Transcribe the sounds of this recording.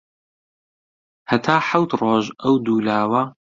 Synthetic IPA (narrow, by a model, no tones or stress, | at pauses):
hɐt̪ʰaːħawt̪roːʒɐwd̪uːlaːwɐ